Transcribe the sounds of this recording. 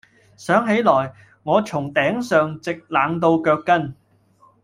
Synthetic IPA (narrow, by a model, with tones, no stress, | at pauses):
sœː˨˥ŋɦe˨˥jlɔː˨˩j | ŋɔː˨˧t͡sʰʊ˨˩ŋt̪ɛː˨˥ŋsœː˨ŋt͡sɪ˨k̚laː˨˧ŋt̪̬o˧wkœː˧kːɐ˥n